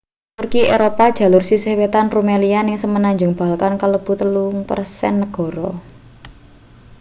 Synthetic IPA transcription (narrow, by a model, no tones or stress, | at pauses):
t̪urkieɾopad̥ʒ̥ä̤lʊrsisehwet̪anrumelianɪŋsəmənaɲd͡ʒʊŋb̥a̤alkankaləb̥ṳt̪əluŋpə̰rsɛ̰nːəɡ̥ɔ̤ɾɔ